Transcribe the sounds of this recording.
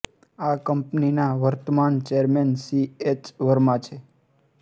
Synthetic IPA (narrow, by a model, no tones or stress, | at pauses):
akəmpninaʋəɾt̪əmant͡ʃeɾmensiet͡ʃʋəɾmãt͡ʃʰe